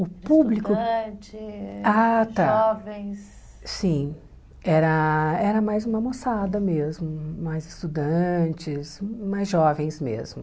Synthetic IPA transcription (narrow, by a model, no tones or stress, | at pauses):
ʊpublikʊt͡ʃɪat̪aɔvẽj̃s | sĩ | ɛɾɐɛɾɐmajzũmɐmosad̪ɐmezmʊmajzɪ̥st̪ud̪ɐ̃t͡ʃɪsmajzʒɔvẽj̃smḛzmʊ